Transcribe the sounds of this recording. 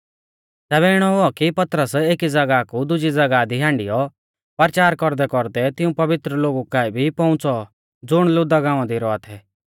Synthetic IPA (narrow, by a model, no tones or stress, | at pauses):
t̪ɛːβɛɪɽ̃ɔɦʊɔkipɐt̪ɾəseːkid͡zɐɡakud̪ʊd͡ʒid͡zɐɡad̪iɦãːɳɖɪjɔ | pɐɾt͡ʃaːɾkɔɾd̪ɛkɔɾd̪ɛt̪ɪũpɐʋɪt̪ɾəloːɡukaːibʱipɔ̃ʊ̃t͡sɔ | d͡zʊɽ̃lʊd̪aɡãːʋãd̪iɾɔat̪ʰɛ